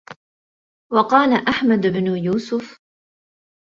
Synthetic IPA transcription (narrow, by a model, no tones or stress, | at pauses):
wɑqɑːlaʔaħmad̪bnʊjuːsʊf